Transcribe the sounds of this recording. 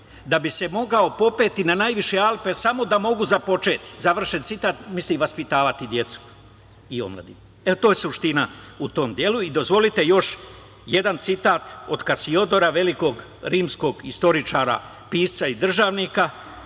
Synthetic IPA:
d̪abise̞mo̞ɡao̞po̞pe̞ːt̪inanaːjʋiʃe̞alˠpe̞samo̞d̪amo̞ɡuzapo̞t͡ʃe̞ːt̪i̥zaʋr̩ʃent̪sit̪aːt̪misliʋaspit̪aːʋat̪id̪je̞t̪su̥ | io̞̰mlˠa̰d̪ḭ | eot̪oːjesuʃt̪inaut̪o̞ːmd̪je̞luid̪o̞zʋo̞lit̪e̞jo̞ʃ | je̞d̪ant̪sit̪aːt̪o̞d̪kasio̞d̪o̞ɾaʋe̞liko̞ːɡ | ɾiːmsko̞ɡist̪o̞ɾit͡ʃaːɾa̰ | piːst̪said̪r̩ʒaːʋnika

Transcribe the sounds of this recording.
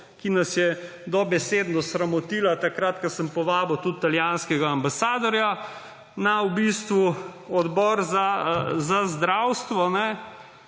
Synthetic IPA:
kinasjɛ | d̪ɔbɛsed̪nɔsɾamɔt̪iːlat̪akɾat̪kɐsəmpɔʋaːbɔwt̪ut̪t̪ːaljanskɛɡaːmbasaːd̪ɔɾja | nawbist̪ʋuɔd̪bɔːɾzazazd̪ɾawst̪ʋɔnɛ

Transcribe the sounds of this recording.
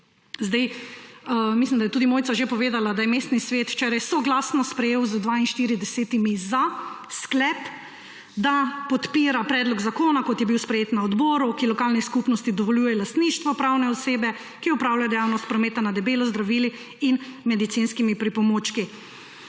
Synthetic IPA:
zd̪aj | mislimd̪ajɛt̪uːd̪imoːjtsaʒepɔʋeːd̪alad̪ajɛmeːst̪nisʋeːt̪wt͡ʃɛːɾajsɔɡlaːsnɔspɾɛjeːwzəd̪ʋainʃt̪iːɾid̪ɛseːt̪imiza | sklɛp | d̪apɔt̪piːɾapɾɛːd̪lɔɡzakoːnakɔt̪jɛbiwspɾɛjeːt̪naɔd̪bɔːɾukilɔkaːlniskupnɔst̪id̪ɔʋɔljuːjɛlast̪niʃt̪ʋɔpɾawnɛɔseːbɛ | kiɔpɾawlajd̪ɛjawnɔst̪̚pɾɔmeːt̪anad̪ɛbeːlɔzd̪ɾaʋiːli | inmɛd̪it̪sinskimipɾipɔmoːt͡ʃki

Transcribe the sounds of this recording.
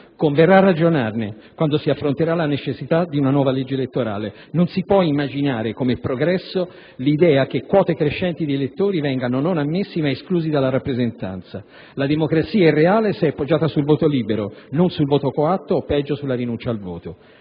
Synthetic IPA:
koɱverːaːrːad͡ʒonarne | kwand̪osiafːɾont̪eɾalanet͡ʃesːit̪ad̪iunanwɔːvaled͡ʒːeelet̪ːoɾa̰ːle | nonsipwɔimːad͡ʒinaːɾekomepɾoɡɾɛsːo | lid̪ɛːak̟ekːwɔːt̪ekɾeʃːɛnt̪id̪ielet̪ːoːɾivɛŋɡanononamːesːimaeskluːzid̪alːaɾapːɾezent̪a̰nt̪sa | lad̪emokɾat̪siːaɛrːeaːleseɛpːod͡ʒːaːt̪asulvoːt̪oliːbeɾononsulvoːt̪okoat̪ːoːpːɛd͡ʒːosulːaɾinunt͡ʃaːlvo̰ːt̪o

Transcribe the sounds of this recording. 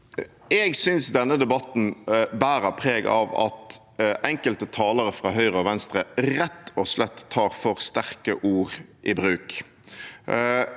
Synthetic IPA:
ɛɡsʏnsd̪ɛnːəd̪ɛbɑt̪n̩bæːɾəpʰʁeːɡɑ̰ʋɑ̰t̪ | ʔɛŋkəlt̪ət̪ʰɑːləɾəfʁɑːɦœʏʁəɔʋɛnst̪ʁəʁɛt̪ːɔslɛt̪ʰːɑːʁfɔʁst̪æʁkəʔuːʁʔɪbɾʉːk

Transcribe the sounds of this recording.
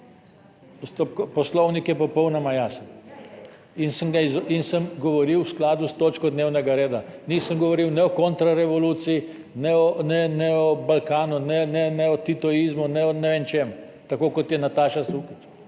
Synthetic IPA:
pɔst̪opkɔpɔslɔwnikjɛpɔpɔwnɔmajas | insəmɡaizinsəmɡɔʋɔɾiwsklaːd̪ust̪oːt͡ʃkɔd̪neːwnɛɡaɾeːd̪anisəmɡɔʋɔɾiwnɛɔkont̪ɾaɾɛʋɔluːt̪sii | nɛɔnɛnɛɔbalkaːnunɛnɛnɛɔt̪it̪ɔizmunɛɔnɛʋent͡ʃem | t̪akoːkɔt̪jɛnat̪aːʃasukit͡ʃ

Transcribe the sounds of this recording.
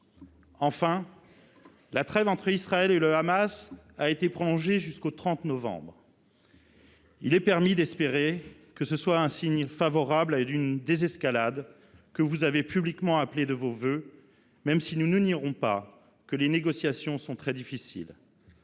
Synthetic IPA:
ɑ̃fɛ̃ | lat̪χɛvɑ̃t̪χəisχaɛleləamas | aet̪epχɔlɔ̃ʒeʒyskot̪χɑ̃t̪nɔvɑ̰̃bʁ | ilɛpɛʁmid̪ɛspeʁe | kəsəswaɛ̃siɲfavɔʁablaynd̪ezɛskalad̪ | kəvuzavepyblikmɑ̃apled̪əvovø | mɛmsinunyniʁɔ̃pa | kəleneɡɔsjasjɔ̃sɔ̃t̪χɛd̪ifisḭl

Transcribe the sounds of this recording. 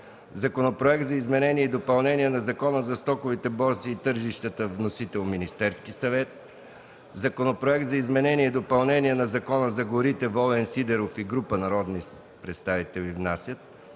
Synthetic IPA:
zɐkonopɾoɛzɐizmɛnɛniɛid̪opɐlˠnɛniɛnɐzɐkɔnəzɐst̪ɔkovit̪ɛbɔɾt̪siːt̪ɤɾʒiʃt̪ət̪əvnosit̪ɛlˠminist̪ɛɾskisɐvɛt̪̚ | zɐkonopɾoɛk̚t̪zɐizmɛnɛniɛid̪opɐlˠnɛniɛnɐzɐkɔnəzɐɡoɾit̪ɛvɔlɛnsid̪ɛɾofiɡɾupənɐɾɔd̪ni | pɾɛt̪st̪avit̪ɛlʲivnasʲjət̪̚

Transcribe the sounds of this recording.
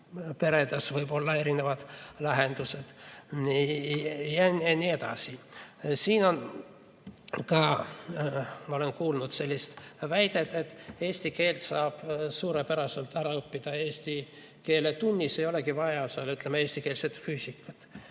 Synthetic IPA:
pe̞ɾed̪ɑsvɤjbo̞lːɑe̞ɾine̞vɑd̪̥læɦend̪̥used̪̥i | jɑnɑnie̞t̪ɑ̰sisiːno̞n | kɑ | mɑo̞lenkuːlnut̪se̞lʲːist̪væjd̪̥e̞t̪ːet̪ːˑe̞ːsʲt̪ike̞ːlt̪sɑːb̥suːɾepæɾɑse̞lt̪æɾɑɤpːid̪̥ɑe̞ːsʲt̪i | ke̞ːlet̪unʲːisejo̞lekivɑjɑsɑlːyt̪ːˑlemee̞ːsʲt̪ikeːlset̪fyːsikːˑɑt̪

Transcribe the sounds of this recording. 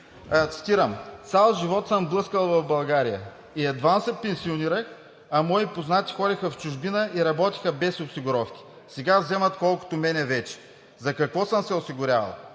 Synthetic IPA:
t̪si̥t̪iɾəmt̪sʲalˠʒivɔt̪səmblˠɤskəlˠvɐvbɐlˠɡaɾijə | iɛd̪vansɛpɛnsioniɾəx | ɐmɔipoznat̪i̥xɔɾixɐft͡ʃʊʒbinəʔiɾɐbɔt̪i̥xəbɛsʊsiɡʊɾɔfkʲi̥ | sɛɡavzɛmɐt̪kɔlˠko̥t̪omɛnɛvɛt͡ʃɛ̥ | zɐkɐkvɔsəmsɛʊsiɡʊɾʲavɐ̰lˠ

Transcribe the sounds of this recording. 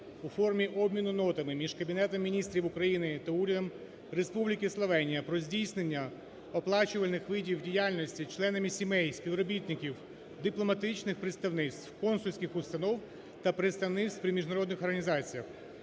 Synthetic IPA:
ufɔrmʲiʔɔbʲmʲinʊnɔt̪ɐmɪmʲiʒkɐbʲinɛt̪ɔmːʲinʲist̪ɾʲiʋʊkɾɐjinɪt̪ɐuɾʲɐd̪ɔm | ɾespublʲikʲɪslˠɔʋɛnʲijɐpɾɔzʲdʲijsnenʲːɐ | ɔplˠɑt͡ʃʊʋɐlʲnɪxʋɪdʲiwdʲijalʲnʲɔsʲtʲit͡ʃlˠɛnɐmʲisʲimɛjsʲpʲiʋɾɔbʲit̪ʲnʲɪkʲiw | d̪ɪplˠɔmɐt̪ɪt͡ʃnɪxpɾɪt̪st̪ɐwnɪt̪st̪ʋkɔnsʊlʲsʲkʲɪxʊst̪ɐnɔw | t̪ɐpɾɪt̪st̪ɐwnɪt̪st̪pɾʲɪmʲiʒnɐɾɔd̪nɪxɔrɦɐnʲizɑt͡sʲijɐx

